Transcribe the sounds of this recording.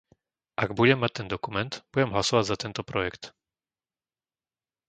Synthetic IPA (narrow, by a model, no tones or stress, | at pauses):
ʔaɡbuɟɛmːac̚t̪ɛnd̪ɔkumɛnt̪b̥uɟɛmɦlasɔʋaɟzat̪ɛnt̪ɔpɾɔjɛkt̪